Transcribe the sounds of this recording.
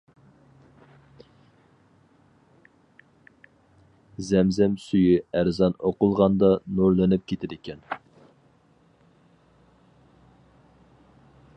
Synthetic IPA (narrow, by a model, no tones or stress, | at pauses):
zɛmzɛmsyjyæɾzɑnoqʊlˠʁɑnd̪ɑnuɾlˠɨnɪp̚kʲʰet̪ʰɪɾɪkʲʰɛn